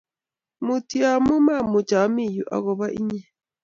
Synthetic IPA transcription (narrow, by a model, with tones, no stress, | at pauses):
mu˨ti˦a˨mu˦ma˦˨mu˨t͡ʃa˨˦mi˦˨ju˨ʔa̰˨ɣɔ˨βa˦ʔḭ˦ɲɛ˦